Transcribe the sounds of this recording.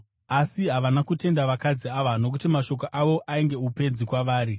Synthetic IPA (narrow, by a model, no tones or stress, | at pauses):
asiɦaʋanakute̞ndaʋakad͡ziaʋano̞k̬utimaʃo̞k̬oʔaʋo̞ʔaiŋɡe̞upe̞d͡zikwaʋaːɾi